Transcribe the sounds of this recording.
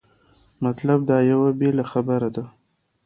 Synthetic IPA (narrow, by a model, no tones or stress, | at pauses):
mat̪lab̚d̪ɑjawabelaxabəɾad̪a